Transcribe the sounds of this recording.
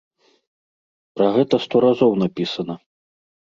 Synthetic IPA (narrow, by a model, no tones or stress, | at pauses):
pɾɐɣɛt̪ɐst̪ɔɾazɔwnapʲisɐnɐ